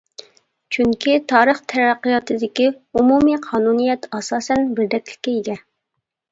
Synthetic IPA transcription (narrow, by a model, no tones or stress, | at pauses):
t͡ʃʰyŋkʲʰit̪ʰɑːɾəχt̪ʰɛɾæqːijɑt̪ɨd̪ɪkʲiumumiqʰɑːnunijɛt̪ɑsɑːsɛnbɪɾd̪ɛkʲlɪ̥kʲːɛjiɡʲɛ